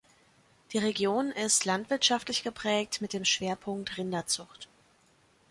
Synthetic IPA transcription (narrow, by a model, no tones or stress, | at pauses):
d̥iːʁeɡjoːnɪstʰlantv̥ɪɐtʃaftlɪçɡ̥əpʁ̥ɛːk̚tmɪt̚d̥eːmʃv̥eːɐpʰʊŋktʁɪndɐt͡sʊχt